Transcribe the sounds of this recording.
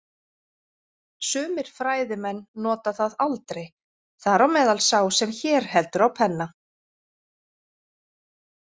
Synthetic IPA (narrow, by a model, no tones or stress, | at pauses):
sʏːmɪɾ̥fɾaːjðɪmɛnːɔːt̪aθaðalt̪ɾej | θaɾawmɛːðalsaːwsɛmçɛːɾ̥hɛlt̪ʏɾawpʰɛnːa